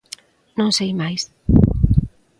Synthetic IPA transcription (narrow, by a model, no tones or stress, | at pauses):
nõŋsejmajs